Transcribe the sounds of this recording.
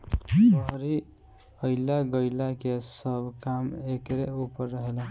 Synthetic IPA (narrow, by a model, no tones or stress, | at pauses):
pəɦɾi | əɪlaɡəjlakesəbʱkamekɾeupəɾːəɦelẽ